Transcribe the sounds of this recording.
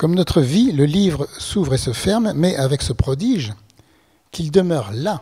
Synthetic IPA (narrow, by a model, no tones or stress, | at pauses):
kɔmnɔt̪χəviləlivʁəsuvʁesəfɛʁmːɛʔavɛksəpχɔd̪iʒ | kʲild̪əmœʁla